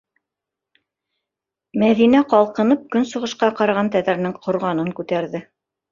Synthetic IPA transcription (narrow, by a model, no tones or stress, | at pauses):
mæðinæqɑlˠqɤ̆nɤp̚kɵnsŏʁɤ̆ʃqɑqɑɾɑʁɑnt̪æðæɾnɘŋqʰŏɾʁɑnɤŋkʉt̪æɾðɘ